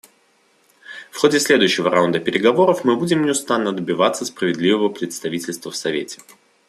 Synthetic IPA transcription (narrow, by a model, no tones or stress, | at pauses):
fxo̞dʲɪsʲlʲe̞d̪ʊjɕːɪvəɾʔa̰ʊnd̪əpʲɪɾʲɪɡɐvo̞ɾəfmɨbudʲɪmnʲɪʊst̪anːəd̪əbʲɪvat̪səspɾəvʲɪd̪lʲivəvəpɾʲɪt̪st̪ɐvʲitʲɪlʲst̪vəfsɐvʲetʲɪ̥